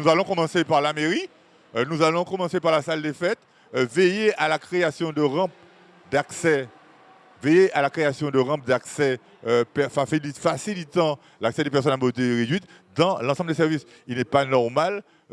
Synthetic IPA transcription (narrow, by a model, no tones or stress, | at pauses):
nuzalɔ̃kɔmɑ̃sepaʁlameʁi | nuzalɔ̃kɔmɑ̃sepaʁlasald̪efɛt̪ | vejealakχeasjɔ̃d̪əʁɑ̃p̚ | d̪aksɛ | vejeʔalakχeasjɔ̃d̪əʁɑ̃p̚d̪aksɛ | pɛfailifasilit̪ɑ̃ | laksɛd̪epɛʁs̬ɔnamot̪eʁed̪ɥit̪ | d̪ɑ̃lɑ̃sɑ̃mbldes̬ɛʁvis | ilnɛpanɔʁmal